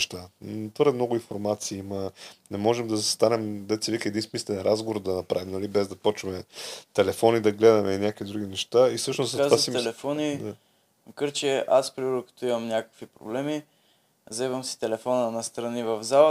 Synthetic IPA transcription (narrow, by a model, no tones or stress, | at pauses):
ʃt̪at̪vəɾd̪ɛmnoɡʊinfoɾmat̪siːimənɛmɔʒɛmd̪ɐzɐst̪anɛmd̪ɛt̪sɛvikəɛd̪insmislɛɛnɾʔazɡovd̪ɐnɐpɾavimnɐlibɛzd̪ɐpɔt͡ʃvɐmɛt̪ɛlɛfɔnid̪ɐɡlɛd̪ɐmɛinʲjakvid̪ɾuɡ̟inɛʃt̪aisɤʃnosaasit̪ɛlɛfɔnid̪a | məkəɾt͡ʃɛʔaspɾiviɾokɐ̥t̪oimɐmnʲakə̥kvipɾo̰blɛmi | zɛvəmsi̥t̪ɛlɛfonənɐst̪ɾɐnivɐvzalˠə